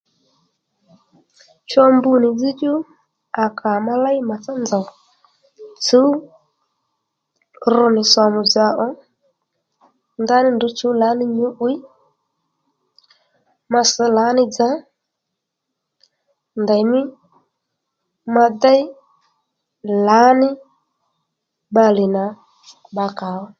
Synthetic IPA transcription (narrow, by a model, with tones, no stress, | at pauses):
t͡ʃɔ˧mbu˧nɪ˨d͡zi˦t͡ʃu˦ | a˨kʰa˨ma˧la˦jɪ˦ma˨t͡sa˦nd͡za˨w | t͡su˨˦ | rʊ˧nɪ˨sa˨mʊ˨d͡za˨˦ʔɔ˦ | nda˦nɪ˦ndʊ˨˦t͡su˨˦la˨˦nɪ˧ɲʊ˨˦ʔu˨˦j | ma˧sə˨˦la˨˦nɪ˦d͡za˨˦ | nda˨jmɪ˦ | ma˧da˦ɪ˦ | la˨˦nɪ˦ | ba˧lɪ˨na˨ | ɓa˧ka˨˦wɔ˦